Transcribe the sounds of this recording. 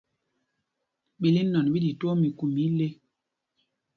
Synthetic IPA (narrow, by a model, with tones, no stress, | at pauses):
ɓi˨li˦nɔ˨n˨bi˦di˨tu˦o˦mi˨ku˨mi˨˦le˦